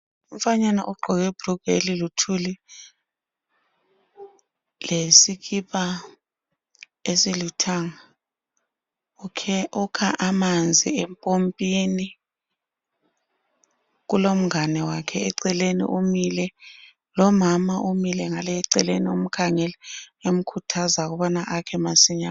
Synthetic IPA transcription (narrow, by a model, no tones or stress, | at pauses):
umfaɲana̰ʔɔɡ͡ǃʱɔk̬ɛb̥ruɡ̥ʱḛlilutʰuli | lesik̬ʰʼipʼa | esilutʰaŋa | kʰukʰaʔamand͡zʱiɛmpʼompʼini | k̬ulom̩ŋanɛwakʰɛɛǀɛlenḭʔumilɛ | lɔmamaʔumilɛŋaleǀɛleniom̩kʰaŋɛlɛem̩kʰutʰazak̬uɓɔnaʔakʰɛmasiɲa